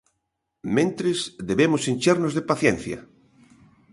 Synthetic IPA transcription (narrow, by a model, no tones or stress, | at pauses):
mẽnt̪ɾɪsðeβemʊsinʲt͡ʃeɾnozðepaθjen̟θjɐ̰